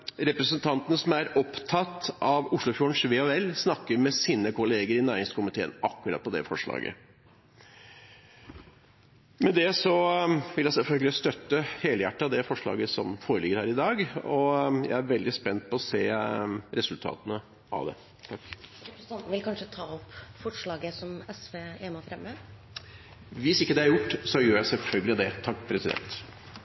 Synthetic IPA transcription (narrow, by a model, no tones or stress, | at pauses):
ɾɛpɾɛəsənt̪ʰɑnt̪ənəsɔmæɾɔpt̪ʰɑt̪ːɑʋʊʂɭʊfjuːəɳʂʋeːɔɛlːsnɑkːəɾmɛsiːnəkʰʊleːɡəɾɪnæːɾɪŋskʊmɪt̪ʰeːə̰nɑkːʉɾɑ̰t̪̚pʰɔd̪ɛ̰fɔʂɭɑ̰ːɡə̰ | mɛd̪ɛsɔʋɪljɛsɛlfœlɡəlɪst̪œt̪ːəheːləjæʈːɑd̪ɛfɔʂɭɑ̰ːɡəsɔ̰mfoːɾəlɪɡːəɾhæːɾɪd̪ɑːɡɔjæ̰ɪæɾʋɛld̪ɪspɛnːt̪̚pʰɔɔseːɾɛsʉlt̪ʰɑ̰ːt̪ənə | ʔɑ̰ʋd̪ɛ̰ | t̪ʰɑkːɾɛnt̪n̩ʋɪlkʰɑnʂət̪ʰɑːɔpfɔʂɭɑːɡəsɔmɛsʋeːeːmɑfɾɛmːə | ʋɪsɪkːəd̪ɛhæɾjʊʈːsɔjøːɾjæɪsɛlfœlɡəlɪd̪ɛt̪ʰɑkːpʰɾɛsɪd̪ɛ̰nt̪